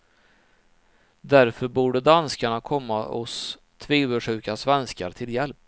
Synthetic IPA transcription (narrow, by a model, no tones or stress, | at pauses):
d̪æɾfœɾbuːɖəd̪anskaɳakʰɔmːaɔs | t̪ʰviːvəʂʉ̟ːkasvɛnskaɾt̪ʰɪljɛlp̚